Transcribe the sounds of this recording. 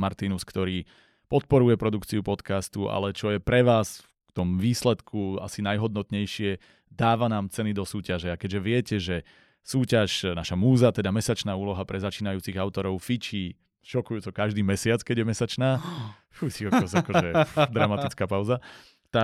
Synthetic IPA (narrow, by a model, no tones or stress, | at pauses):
maɾt̪inuskt̪ɔɾiː | pɔt̪̚pɔɾujɛpɾɔd̪ukt͡siupɔt̪kast̪uʔa̰lɛt͡ʃɔjɛpɾɛʋaːsfkt̪ɔmʋiːslɛt̪kʰua̰sinajɦɔd̪̚nɔt̪ɲɛjʃɪɛ | d̪aːʋanaːmt͡sɛnid̪ɔsuːcaʒɛakɛɟʒɛʋɪɛcɛʒɛ | suːcaʃnaʃamuːzat̪ɛd̪amɛsat͡ʃnaːuːlɔɦapɾɛzat͡ʃiːnajuːt͡siɣaʊt̪ɔɾɔʊfit͡ʃiː | ʃɔkujuːt͡sɔkaʒd̪iːmɛsɪat͡skɛɟjɛmɛsat͡ʃnaː | fusiakaɔzakɔɛd̪ɾamat̪it͡skaːpaʊza | t̪a